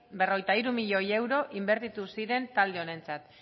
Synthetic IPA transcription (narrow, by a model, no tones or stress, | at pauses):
berojt̪aiɾumiʎo̞je̞wɾo̞ʔimbe̞ɾt̪it̪usiɾe̞nt̪ald̪e̞o̞ne̞nt͡sat̪